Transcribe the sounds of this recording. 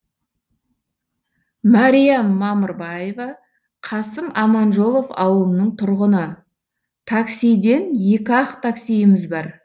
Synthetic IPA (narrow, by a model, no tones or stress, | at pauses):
mɑɾijamːɑməɾbɑjevɑ | qʰɑsəmɑmɑnʒo̞lˠo̞fɑ̰wəlˠənəɴt̪ʰʊɾʁənə | t̪ʰaksijd̪e̞nje̞kʲɑqt̪ʰaksijɪmɪzbɑɾ